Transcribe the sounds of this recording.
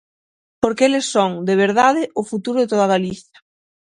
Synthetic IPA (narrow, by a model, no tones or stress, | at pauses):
poɾkeelesːoŋd̪eβ̞eɾðað̞ɪʔʊfut̪uɾoðet̪oðaɣaliθjɐ̥